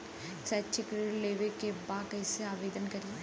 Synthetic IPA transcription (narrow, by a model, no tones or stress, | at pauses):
sɛːt͡ʃɪkɾileːʋekebaːkɛːseaːʋeːd̪ənkɐɾie